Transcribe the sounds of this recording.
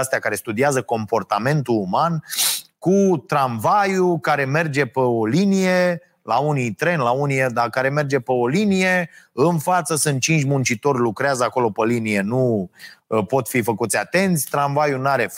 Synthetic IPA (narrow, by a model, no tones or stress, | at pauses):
ast̪eakaɾe̞st̪ud̪iazəko̞mpo̞rt̪ame̞nt̪uumankut̪ɾaɱvajukaɾe̞me̞rd͡ʒe̞peolinije̞ | launijt̪ɾe̞nlaunied̪akaɾe̞me̞rd͡ʒe̞peo̞linije̞ɨnfat̪səsɨnt̪̚t͡ʃint͡ʃʲmunt͡ʃit̪o̞rʲlukɾeazəako̞lo̞pəlinije̞nu | po̞t̪fifəkut̪sʲat̪e̞nt̪sʲt̪ɾanvajunaɾe̞